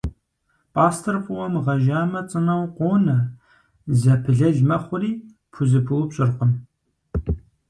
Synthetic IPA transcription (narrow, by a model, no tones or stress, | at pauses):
pʼaːstʰɨrfʼʊwɐmʁɐʒaːmɐt͡sʼɨnɐwqʷoːnɐ | zɐpʰɨɮɐʒmɐχʷʊriː | pʰuzɨpʰɨwpɕʼɪrqəm